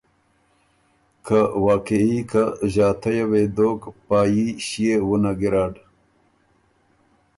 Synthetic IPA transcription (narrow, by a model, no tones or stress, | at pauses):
kʰawaːkeikaʑaːt̪ʰɐjawed̪oːkpaːjiɕijewunaɡiɾaːɖ